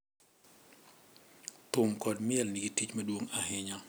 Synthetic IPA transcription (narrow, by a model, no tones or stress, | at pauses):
tʊmkɔdmjɛlnɪɡitit͡ʃmɐdwoŋaɦɪɲa